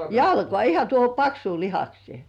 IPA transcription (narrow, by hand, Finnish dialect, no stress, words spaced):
jɑlkoɑˑ ihɑ tuoho pɑksuː lihɑksieˑ